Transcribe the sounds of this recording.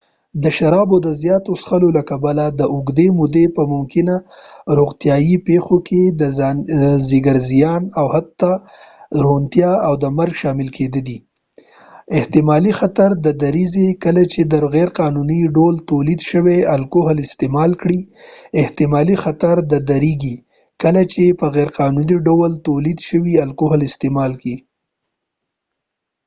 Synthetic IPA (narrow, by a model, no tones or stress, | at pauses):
d̪əʃaɾɑbod̪əzjɑt̪osxəlolakabalad̪əʔʊɡd̪emʊd̪epəmʊmkɪnaɾoɣt̪jɑjipexoked̪əzziɡaɾzijɑnawhat̪ːa | ɾont̪jɑawd̪əmaɾɡʃɑmɪlkʰed̪əd̪i | ɪht̪ɪmɑlixat̪aɾd̪əd̪aɾizekəlat͡ʃed̪əɾɣɛɾqɑnuniɖolt̪olid̪ʃəwealkoɦlɪst̪ɪmɑlkɽi | ɪht̪ɪmɑlixat̪aɾd̪əd̪aɾiɡi | kəlat͡ʃepəɣɛɾqɑnuniɖawalt̪olid̪ʃəwialkoɦlɪst̪emɑlki